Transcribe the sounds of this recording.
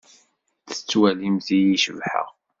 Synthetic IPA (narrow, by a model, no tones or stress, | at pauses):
θə̥t͡sːwælimzijiʃəvħə̰ʁ